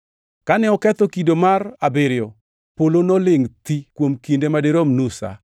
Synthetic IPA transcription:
kanɛɔkɛt̪ɔkidomarabeɾɪjɔ | polonɔlɪŋt̪ikwomkindemadeɾomnusa̰

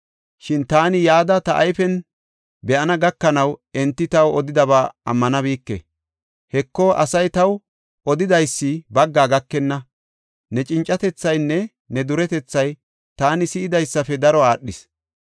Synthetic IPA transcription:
ʃɪnt̪aːnɪjaːd̪ɐt̪ɐʔɐ̰jfɛn | bɛʔɐnɐɡɐkːɐnɐwɛnt̪ːɪt̪ɐwɔd̪ɪd̪ɐβaːʔɐ̰mːɐnɐβiːkːɛ̰ | hɛkːɔʔɐsɐjt̪ɐw | ɔd̪ɪd̪ɐjsːɪbɐɡːaːɡɐkːɛnːɐ | nɛt͡ʃʼɪnt͡ʃʼːɐt̪ɛt͡sːɐjnːɛ | nɛd̪ʊɾɛt̪ɛt͡sːɐj | t̪aːnɪsɪɪd̪ɐjsːɐfɛd̪ɐɾɔaːɗːɪs

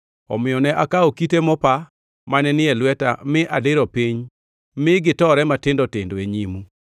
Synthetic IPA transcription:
ɔ̰mɪjɔnɛʔakaokitemɔpa | manɛnɪɛlwɛta̰mɪʔadɪɾɔpiɲ | mɪɡɪtɔɾɛmatɪndɔtɪndoeɲimu

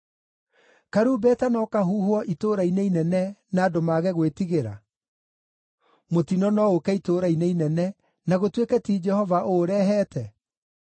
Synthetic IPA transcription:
kaɾuːbɛtanɔkaɦuːɦwɔʔitoːɾainɛinɛnɛnaːdomaɣɛɣwetiɣeɾa̰ | motinɔnɔokɛitoːɾainɛinɛnɛ | naɣotwekɛtiːd͡ʒɛhɔvaʔoɾɛːɦɛtʰɛ

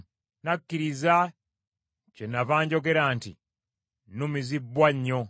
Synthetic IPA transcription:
nakːiɾiza | cenːavaːɲɟo̞ɡe̞ɾaːntḭ | numizibːwaɲːo̞

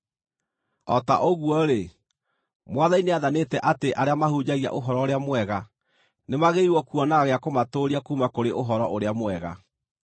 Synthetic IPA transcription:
ɔ̰ta̰ʔoɣwɔɾe | mwaðaineaðanetɛʔateʔaɾeamahud͡ʑaɣia̰ʔoɦɔɾɔoɾeamwɛɣa | nemaɣeiwɔkuɔnaɣaɣeakomatoːɾiakuːmakoɾeʔoɦɔɾɔʔoɾeamwɛɣa̰

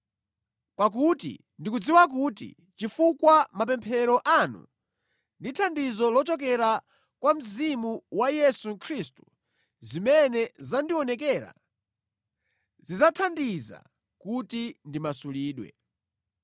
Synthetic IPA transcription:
pak̬utḭ | ndik̬ud͡ziwak̬utḭ | t͡ʃifukwamap̬ɛmpʰɛɾɔʔanṵ | nditʰandizɔlɔt͡ʃɔk̬ɛɾa | kwam̩zimuwajɛsukʰɾistu̥ | zimɛnɛzandiɔnɛk̬ɛːɾa̰ | zizatʰandiza̰ | kutindimasuliːɗwɛ̰

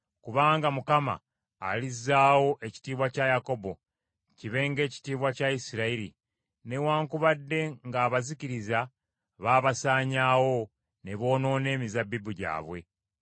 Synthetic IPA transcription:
kuβaːŋɡamukama̰ː | lizːaːwo̞ʔe̞ci̥tiːβwacajako̞bo̞ | ciβe̞ŋɡe̞ːci̥tiːβwacaisiɾaiɾḭ | ne̞waːŋkuβadːe̞ŋɡaːβaziciɾiza | βaːβasaːɲaːwo̞ | ne̞βo̞ːno̞ːne̞ːmizabibuɟa̰ːβwe̞̰

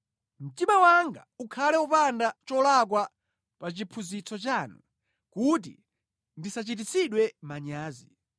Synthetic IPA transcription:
m̩timawaŋɡaukʰalɛupandat͡ʃɔlak̬wa | pat͡ʃipʰuzit͡sʰɔt͡ʃanu | kut̬ḭ | ndisat͡ʃit̬it͡siɗwɛmaɲaːzi

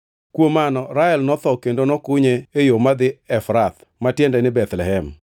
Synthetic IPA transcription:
kwomanɔɾaɛlnɔt̪ɔkendonɔkʊɲeejomad̪ɪɛfɾat̪ | matjɛndɛnɪbɛt̪lɛɦɛm

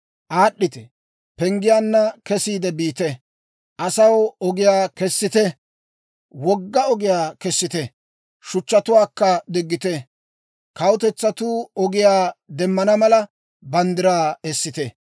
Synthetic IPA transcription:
ʔaːɗːɪt̪ɛ | pɛŋɡɪjaːnːɐkɛsiːd̪ɛbiːt̪ɛ | ʔɐsɐwɔɡɪjaːkɛsːɪt̪ɛ | wɔɡːɐɔɡɪjaːkɛsːɪt̪ɛ | ʃʊt͡ʃːɐt̪ʊwaːkːɐd̪ɪɡːɪt̪ɛ | kɐwʊt̪ɛt͡sːɐt̪uːɔɡɪjaːd̪ɛmːɐnɐmɐlɐ | bɐnd̪ɪɾaːɛsːɪt̪ɛ

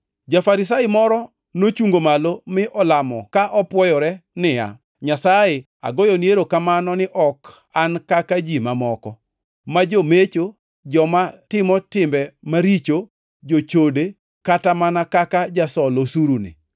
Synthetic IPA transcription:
d͡ʒafaɾɪs̬aɪmɔɾɔ | not͡ʃuŋɡomalomɪʔɔlamɔkaʔɔpwɔjɔɾɛnɪja̰ | ɲasaje | a̰ɡojoneɾokamanɔnɪʔɔk | ankakad͡ʒimamɔkɔ | mad͡ʒomet͡ʃo | d͡ʒɔmatɪmɔtɪmbɛmaɾit͡ʃo | d͡ʒot͡ʃode | katamanakakad͡ʒasɔlosuɾunɪ̰

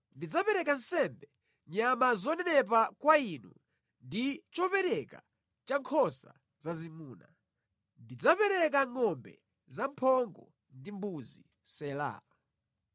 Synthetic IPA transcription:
ndid͡zapɛɾɛkan̩sɛmbɛ | ɲamazɔnɛnɛp̬akwainṵ | ndit͡ʃɔpɛɾɛka̰ | t͡ʃaŋkʰɔsa | zazimuːna | ndid͡zapɛɾɛk̬aŋɔmbɛ̰ | zampʰɔŋɡɔ | ndimbuzi | sɛla̰ːa

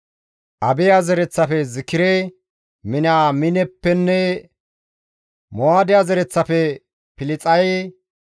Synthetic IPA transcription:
ʔɐbɪjaːzɛɾɛt͡sːɐfɛzɪkːɪɾɛ | mɪnaːmɪnɛpːɛnːɛ | moaːd̪ɪjazɛɾɛt͡sːɐfɛ | pɪlɪt͡sʼɐj

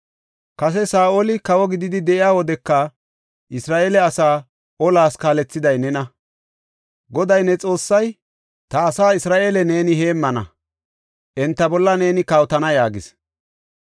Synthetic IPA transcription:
kɐs̬ɛsaːʔoːlɪkɐwɔɡɪd̪ɪd̪ɪd̪ɛʔɪjaːwɔd̪ɛkːɐ | ʔɪsɾaːʔeːlɛɐsaː | ɔlaːskaːlɛt͡sːɪd̪ɐjnɛnɐ | ɡɔd̪ɐjnɛt͡sʼo̞ːsːɐj | t̪ɐːsaːɪsɾaːʔeːlɛne̞ːnɪhe̞ːmːɐnɐ̰ | ʔɛnt̪ːɐbɔlːɐne̞ːnɪkɐwt̪ɐnɐjaːɡɪs

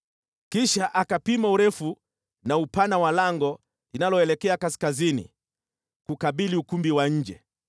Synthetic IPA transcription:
kiʃaʔakapimauɾɛfu | naupanawalaŋɡɔ | linalɔɛlɛkɛakaskazinḭ | kukaɓiliukumbiwaɲ̩d͡ʒɛ

